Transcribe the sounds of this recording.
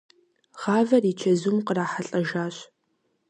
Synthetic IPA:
ʁ̥aːvɐrit͡ʃʰɐzumqəraːħaɬʼɐʒaːɕ

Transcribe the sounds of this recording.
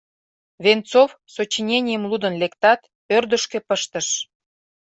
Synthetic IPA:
βent͡sof | sot͡ɕinʲenʲijəmlud̪ə̆nlekt̪ɑt̪ | ørd̪əʃkĕpəʃt̪əʃ

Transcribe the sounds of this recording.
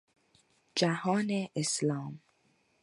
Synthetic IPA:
d͡ʒahɒːneʔeslɒːm

